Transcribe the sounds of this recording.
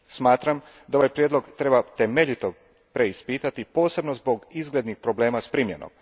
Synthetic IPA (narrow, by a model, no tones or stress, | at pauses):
smaːt̪ɾam | d̪ao̞ʋajpɾjed̪lo̞ɡt̪ɾe̞bat̪e̞meʎit̪o | pɾe̞ispiːt̪at̪ipo̞ːse̞bno̞zbo̞ɡizɡled̪nixpɾoble̞ːmaspɾimjḛno̰m